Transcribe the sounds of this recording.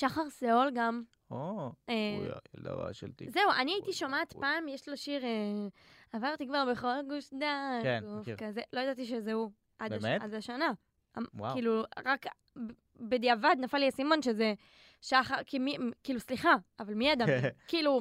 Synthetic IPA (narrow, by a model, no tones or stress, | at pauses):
ʃaχaʁseolɡam | oḛḛda̰ʁa̰ʃḛlt̪ḭzeuʔaniait̪iʃomaːt̪paːmjeʃlo̞ʃiʁe | avaʁt̪ikvaʁbeχo̞lɡuʃdakenɡufkazelo̞jad̪at̪iʃ̬ezeu | ʔadaead̪aʃana | awakiːluʁak | b | bed̪iavad̪nafaliasimo̞nʃeze | ʃaχaʁkimikiːlusliχaavalmiad̪amkiːlu